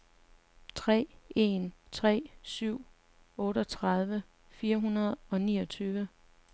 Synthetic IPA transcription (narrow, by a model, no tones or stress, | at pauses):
t͡sʰʁɛ̰ːe̝nt͡sʰʁɛ̰ːsyʊ̰ | ɔ̽ːɾɒt͡sʰʁɑð̞ˠʋə | fiːɐɦunɐð̞ˠɒ̽nḭːɒ̽t͡sʰyːʋə